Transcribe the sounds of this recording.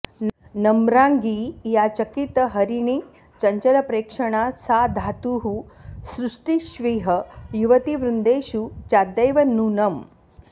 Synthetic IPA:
nɐmɾaːŋɡijaːt͡ʃɐkit̪ɐɦɐɾiɳi | t͡ʃɐɲt͡ʃɐlɐpɾeːkʂɐɳaːsaːd̪ʱaːt̪uːɦusɾuʂʈiʃʋiːɦɐjuʋɐt̪iʋɾund̪eːʃut͡ʃaːd̪ɐjʋɐnuːnɐm

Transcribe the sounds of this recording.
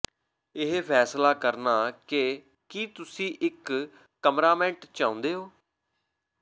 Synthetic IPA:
ɪɦpʰɛːslaːkəɾnaːkɪ | kiːt̪ʊsĩːʔɪkː | əmɾaːmɛ̃ːɳʈt͡ʃãːʊ̃nd̪eːɦoː

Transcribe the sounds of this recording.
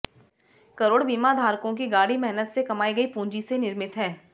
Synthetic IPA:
kɐɾoːɽbiːmad̪ʱaːɾkõkiɡaːɽimɛɦnət̪sekɐmaːiɡɐipũːɲd͡ʒisenɪɾmɪt̪ɦɛː

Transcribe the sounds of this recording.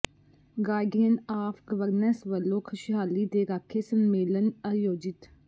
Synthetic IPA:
ɡaːjɡenaːfɡəʋəɾnɛsʋəlːõːkʰəʃɪɦaːliːd̪eːɾaːkʰːeːsəmːeːlənəjoːd͡ʒɪt̪

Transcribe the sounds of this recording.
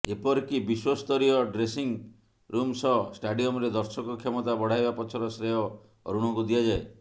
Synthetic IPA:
epɔɾkibiswɔst̪ɔɾijɔɖɾesiŋ | ɾumsɔsʈaɖiɔmɾed̪ɔɾsɔkɔkʰːemɔt̪abɔɽ̤ajbapɔt͡ʃʰɔɾɔsɾeɔ | ɔ̰ɾuɽ̃ɔŋkud̪iad͡ʒae

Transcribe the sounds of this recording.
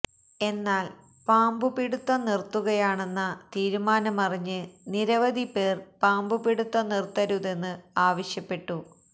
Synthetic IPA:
e̞nːaːl | paːmbupiɽut̪ːɐnirt̪ːuɣɐjaːɳe̞nːɐt̪iːɾumaːnɐmɐriɲːɨniɾɐʋɐd̪ʱipe̞ːrpaːmbupiɽut̪ːɐnirt̪ːɐɾuðe̞nːɨaːʋɐɕjɐpːe̞ʈːu

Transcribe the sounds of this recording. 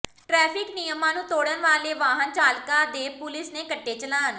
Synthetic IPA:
ʈɾɛːpʰɪknijəmãːnũːt̪oːɽənʋaːleːʋaːɦənt͡ʃaːlkaːd̪eːpʊlɪsneːkəʈːeːt͡ʃəlaːn

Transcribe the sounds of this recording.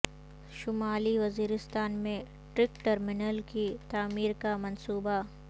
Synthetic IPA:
ʃʊmaːliʋɐziːɾɪst̪aːnmẽ | ʈɾɪkʈɐɾmɪnəlkit̪aːmiːɾkamɐ̃nsuːba

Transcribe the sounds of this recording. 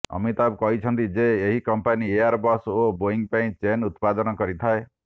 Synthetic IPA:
ɔ̰mit̪ab̚kɔɦit͡ʃʰɔnt̪id͡ʒeːɦikɔmpaniaɾbɔsoboiŋpaĩt͡ʃenut̪̚pad̪ɔnɔkɔɾit̪ʰae

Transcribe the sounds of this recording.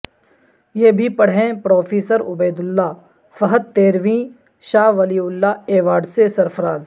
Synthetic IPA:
jeːbʱipɐɽɦẽpɾoːfʰeːsəɾʊbeːd̪ʊlːaː | fɐɦət̪ːeːɾʋĩː | ʃaːʋɐliːʊlːaːeːʋaːɖsesɐɾfʰəɾaːz

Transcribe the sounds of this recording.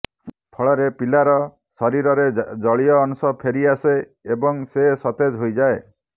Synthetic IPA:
pʰɔɭɔɾepilaɾɔ | sɔɾiɾɔɾed͡ʒɔɭiɔːnsɔpʰeɾiase | ebɔŋsesɔt̪ed͡ʒɦojd͡ʒae

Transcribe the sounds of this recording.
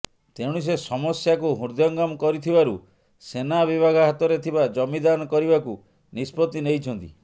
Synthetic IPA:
t̪eɽ̃us̬esɔmɔsjakuɦuɾd̪jɔŋɡamkɔɾit̪ʰibaɾu | senabibʱaɡaɦat̪ɔɾet̪ʰibad͡ʒɔmid̪anɔkɔɾibaku | nispɔt̪inejt͡ʃʰɔnt̪ḭ

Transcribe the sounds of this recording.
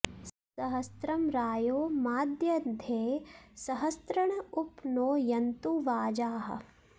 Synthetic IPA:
sɐɦɐst̪ɾɐmɾaːjoːmaːd̪jɐd̪ʱeːsɐɦɐst̪ɾɐɳɐupnoːjɐnt̪uʋaːd͡ʒaːɦɐ̰

